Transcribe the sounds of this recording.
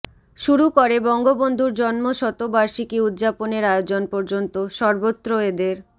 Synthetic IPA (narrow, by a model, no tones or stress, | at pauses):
ʃuɾukoɾebɔŋɡobond̪ʱuɾd͡ʑɔnmoʃɔt̪obaɾʃikiud̪ːd͡ʑaponeɾajod͡ʑonpɔɾd͡ʑont̪oʃɔɾbot̪ːɾoed̪eɾ